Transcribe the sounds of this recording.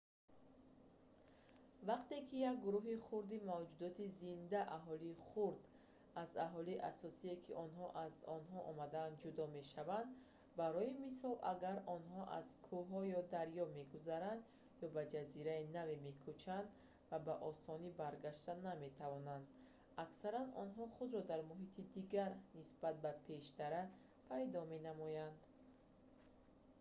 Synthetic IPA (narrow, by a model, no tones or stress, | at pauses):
vaqt̪e̞kʰijak̚ɡuɾuɦiχuɾd̪imavd͡ʒud̪ɔt̪ʰizind̪aʔaɦɔliːχuɾd̪ | aza̰ɦɔliʔasɔsiekʰiʔɔnɦɔʔazɔnɦɔʔɔmad̪aːnd̪d͡ʒud̪ɔme̞ʃavand̪ | baɾɔimisɔlʔaɡaɾɔnɦɔʔa̰z̥kʰuɦɔjɔd̪aɾjɔme̞ɡuzaɾand̪ | jɔbad͡ʒaziɾainave̞me̞kʰut͡ʃʰand̪ | vabaʔɔsɔnibaɾɡaʃt̪aname̞t̪ʰavɔnand̪ | aksaɾanɔnɦɔχud̪ɾɔd̪aɾmuɦit̪ʰid̪iɡaɾnisb̥at̪̚bapʰe̞ʃt̪aɾa | pʰaɾid̪ɔme̞namɔjand̪